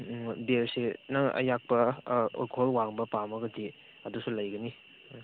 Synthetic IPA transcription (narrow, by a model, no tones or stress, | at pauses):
beɾsenɐɐ̰jak̚pɐṵlkʰoɦɔlwaŋbɐpamɐɡɐdi | ɐdusulɐjɡɐni